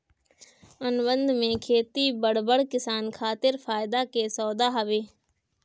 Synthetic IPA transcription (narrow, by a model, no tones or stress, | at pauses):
ənbə̃nd̪ʱmẽkʰeːt̪ibəɽ̤bəɽkɪsaːnkʰaːt̪ɪɾfʰaːɪd̪akesɔːd̪aɦɐʋeː